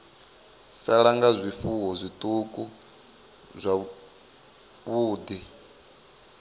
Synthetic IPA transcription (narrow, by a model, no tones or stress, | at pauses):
saɺaŋɡazʷifuɦɔzʷit̪ʼukʼu | zʷa | βuːd̪i